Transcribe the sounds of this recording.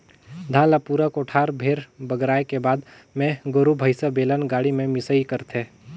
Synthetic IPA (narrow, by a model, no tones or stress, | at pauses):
d̪ʱãːlapuːɾəkoʈʰaːɾbʱeːɾbəɡɾaːekebaːd̪ | mẽɡʊɾubʱəɪsəbeːlənɡaːɽimẽmɪsəikəɾt̪ʰe